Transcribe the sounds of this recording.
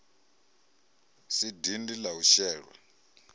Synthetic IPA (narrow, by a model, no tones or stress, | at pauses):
sidindilauʃɛːɺwa̰